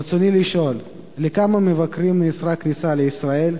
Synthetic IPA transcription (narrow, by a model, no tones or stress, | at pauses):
t͡soniliʃo̞l | lekamamevakɾimneːsɾaknisaleisɾael